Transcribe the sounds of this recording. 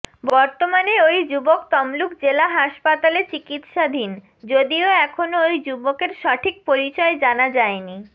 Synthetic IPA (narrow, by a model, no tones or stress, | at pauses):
bɔɾt̪omaneojd͡ʑubokt̪ɔmlukd͡ʑelaɦaʃpat̪alet͡ɕikit̪ʃad̪ʱin | d͡ʑod̪ioɛkʰonoojd͡ʑubokeɾʃɔʈʰik̚poɾit͡ɕɔed͡ʑanad͡ʑaeni